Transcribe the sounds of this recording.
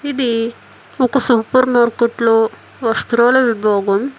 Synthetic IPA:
id̪i | ɔkɐsuːpɐɾnoːɾkɐʈloː | ʋɐst̪ɾɐːlɐʋibʱɔːɡɐm

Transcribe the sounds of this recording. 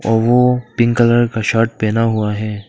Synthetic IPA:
ɔːɾʋopɪ̃ŋɡkələɾkaʃaːɾʈ̚pɛːnaɦuaɦɛː

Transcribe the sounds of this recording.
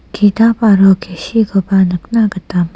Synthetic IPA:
kʰit̪apaɾokʰeɕikopanək̚nakət̪am

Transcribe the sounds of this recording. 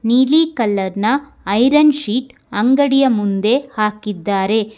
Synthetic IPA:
niːlikɐlːɐɾnɐ | ɐjɾɐnʃiːʈ | ɐŋɡɐɽijɐmund̪e̞haːkid̪ːaːɾe̞

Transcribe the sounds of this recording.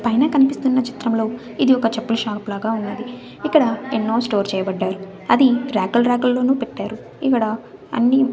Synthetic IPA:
pɐjnɐkɐnipist̪unːɐt͡ʃi̥t̪ɾɐmlo̞ː | id̪iɔkɐt͡ʃɐpːulʃaːɾpulaːɡaːunːɐd̪i | ikːɐɽɐenːo̞ːsʈo̞ːɾt͡ʃɛːjɐbɐɖːaːɾu | ɐd̪iɾaːkɐlɾaːkɐlːo̞ːnuːpeʈːaːɾu | ikːɐɽɐ | ɐ̰nːi

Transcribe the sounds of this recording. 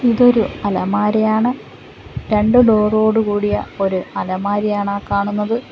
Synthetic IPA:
iðo̞ɾuɐlɐmaːɾɐjaːɳɨ | ɾe̞ɳɖɨlo̞ːro̞ːɽukuːɽijɐo̞ɾuɐlɐmaːɾijaːɳaːkaːɳunːɐðɨ

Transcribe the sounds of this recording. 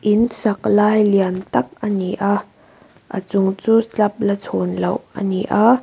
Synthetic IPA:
ʔɪnsɐk̚laːjliɐnt̪ɐk̚ʔəniʔa | ʔə̰t͡sʊŋt͡suːst͡ɬɐp̚lɐt͡sʰɔnlowʔə̰niʔa

